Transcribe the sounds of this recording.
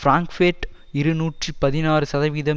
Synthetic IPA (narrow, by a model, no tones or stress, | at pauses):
fɾaːŋkfeːʈ | ɪɾɯnuːʈripɐðɪnaːɾɯsɐðɐʋiːðɐm